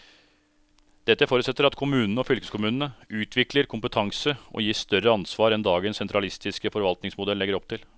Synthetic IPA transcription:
d̪̥ɛt̪ːəfoːɾʉt̪sɛt̪ːəɾɑt̪kʰʊmʉːnnəɔfʏlkəskʊmʉːnən̩əʉːt̪ʰʋɪkləɾkʰʊmpət̪ʰɑŋsəʔɔ̰jiːʂt̪œrəɑnsʋɑːɾɛnd̪ɑːɡənsɛnt̪ɾɑlɪst̪ʰɪskəfɔɾʋɑlt̪nɪŋsmʊd̪ɛlːɛɡəɾɔpt̪ʰɪl

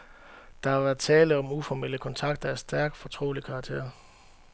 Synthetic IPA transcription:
d̥ɑ̈hɑ̈ʋæɐð̥ˠt͡sʰɛːləɒ̽mufɒmel̰əkʰɒ̽nt͡sʰɑ̈ɡ̥d̥ɐæsd̥æɐɡ̥fɒ̽t͡sʰʁo̝̰ːlikʰɑ̈ːɡ̥̚t͡sʰe̝̰ɐ̰

